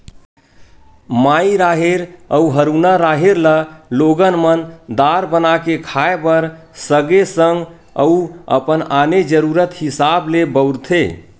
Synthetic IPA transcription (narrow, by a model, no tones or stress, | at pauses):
maiɾaɦeɾəuɦəɾunaɾaɦeɾləloɡənmənd̪aɾbənakekʰaebəɾ | səɡesəŋɡ | ə̰uə̰pənaned͡ʒəɾuɾət̪hisablebəʊɾt̪ʰḛ